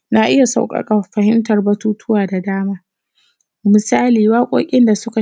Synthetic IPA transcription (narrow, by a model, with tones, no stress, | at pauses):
na˦˨ʔɪ˦ja˨sa̰˨wkʼɐ̰˦kʼa˨ɸɐ˨ɦɪ˦mtɐ˨rbɐ˦tuː˦tʰʊ˦waː˨da˨daː˦maː˦ | mɪ˨saː˦liː˨waː˦kʷʼo̰ː˦kʲʼɪ˦nda˨sʊ˦ka˨